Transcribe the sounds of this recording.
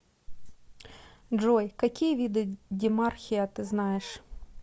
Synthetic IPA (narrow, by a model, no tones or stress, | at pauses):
ʒɔjkɐkʲijʋʲid̪ɪdʲiɪmɑrxʲijɐt̪ɪznɑjeʃ